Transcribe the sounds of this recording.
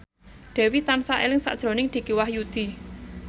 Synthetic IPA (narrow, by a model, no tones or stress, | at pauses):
ɖ̪̥ɛ̤wit̪ansaʔelɪŋsa̰ʔd̥ʒ̥ɾo̤nɪŋd̪̥i̤kiwahjud̪̥i